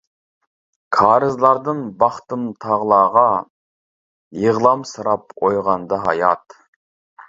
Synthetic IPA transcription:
kʰɑːɾɨzlˠɑɾd̪ɨnbɑχt̪ɨmt̪ʰɑʁlˠɑːʁɑ | jəʁlˠɑmsɨɾɑpojʁɑnd̪ɑɦɑ̰jɑt̪

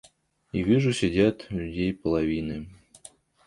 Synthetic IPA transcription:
ivʲiʐʊsʲɪdʲat̪lʲʊdʲejpəlˠɐvʲinɨ

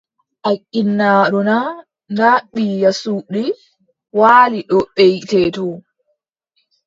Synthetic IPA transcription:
ʔakʼːinːaːɗuna | ndaɓːijasuɗi | waːliɗɔɓɛjtɛtɔ

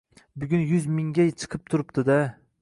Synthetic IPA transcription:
bʊɡʲʊnjʊzmɪŋɡʲajt͡ʃʰɨ̥qʰɨp̚t̪ʰʊɾɪp̚t̪ʰɪd̪a

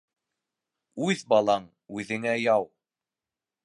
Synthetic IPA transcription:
ʉðbɑlˠɑɴ | ʉðɘ̆ŋæjɑw

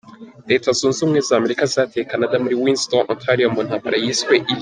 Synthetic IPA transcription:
detʰazun̩zuŋezaːmɛɾikazatʰekanadamuɾiwĩnstɔnʔɔ̰̃tʰaɾiɔmːɔnhaba̰ɾʔajisweʔil

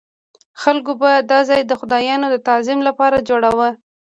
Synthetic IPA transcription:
xalkobad̪ɑzɑjd̪əxʊd̪ɑjɑnod̪ət̪azɪmlapɑɾad͡ʒoɽawə

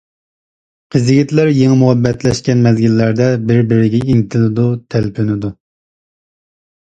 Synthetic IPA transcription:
qʰəzɡʲit̪læɾjeŋɨmuɦɛbːɛt̪lɛʃkʲɛnmɛzɡʲilːæɾd̪ɛbɪɾbɪɾɪɡʲɛiŋt̪ʰɪlɪd̪ut̪ʰælpʰynɪd̪u

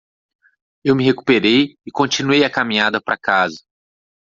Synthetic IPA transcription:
ewmɪɦeku̥peɾejɪkõnt͡ʃĩnuejɐkamĩɲad̪ɐpɾʔa̰kazɐ

